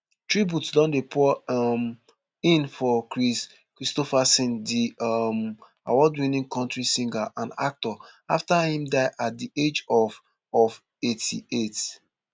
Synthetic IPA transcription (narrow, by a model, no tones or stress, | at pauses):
tɹibutdãndepʰɔm | ĩnfɔkis | kɹistofasĩndim | a̰wɔdwĩnĩŋkʰɔ̃ntɹisĩŋɡaʔãna̰k̚tɔaftahĩmdaɪʔat̚died͡ʒɔv | ɔv | etʰḭet